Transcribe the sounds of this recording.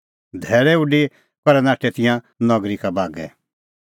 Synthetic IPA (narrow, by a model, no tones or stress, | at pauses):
d̪ʱɛːɾɛʊɖi | kɔɾɛnaːʈʰɛt̪ɪjã | nɔɡɾikabʱaːɡɛ̰